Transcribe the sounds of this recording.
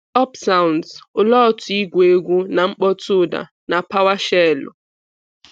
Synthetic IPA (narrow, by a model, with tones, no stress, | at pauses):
ɔ˦psa˦ʊ˨ndsʊ˨lɔ˦˨tʊ˨i˦ɡʷe˨˦ɡʷu˦na˨ŋ͡m̩˦k͡pɔ˦tʊ˦˨da̰˨ | na˨pa˦wa˦ʃɛ˦˨lʊ̰˨